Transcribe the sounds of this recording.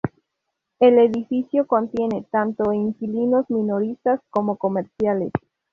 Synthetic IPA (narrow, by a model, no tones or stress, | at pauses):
eleðifisjoko̞nt̪je̞ne̞t̪ant̪oiŋkilino̞zmĩno̞ɾist̪asko̞mo̞ko̞meɾsjales